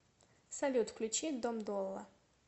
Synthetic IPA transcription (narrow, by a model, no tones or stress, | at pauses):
sɐlʲut̪kʰlʲut͡ʃʰid̪omd̪ɔlˠːɐ